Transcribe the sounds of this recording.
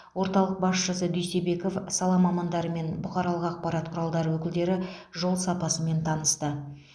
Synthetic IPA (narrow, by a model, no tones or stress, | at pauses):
wo̞ɾt̪ɑlˠəq̚bɑsʃəsəd̪ʏjsebe̞ko̞fsɑlˠɑmɑmɑnd̪ɑɾəme̞nbʊqɑɾɑlˠəqɑq̚pɑɾɑt̪̚qʰʊɾɑlˠd̪ɑɾəwɵkʲɪld̪e̞ɾɪʒo̞lˠsɑpɑsəme̞nt̪ʰɑnəst̪ə